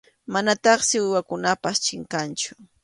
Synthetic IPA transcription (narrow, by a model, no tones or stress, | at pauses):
manat̪ɑχsɪwɪwakʊnapast͡ʃɪŋkant͡ʃʊ̥